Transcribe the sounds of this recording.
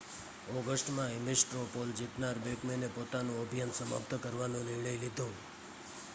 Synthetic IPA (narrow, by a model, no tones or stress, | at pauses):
ɔɡəsʈmãemisʈɾopold͡ʒiʈ̪naɾbekmenepot̪anũəbʱijansəma̰p̚t̪ʰkəɾʋanũnɪɭəjlid̪ʱũ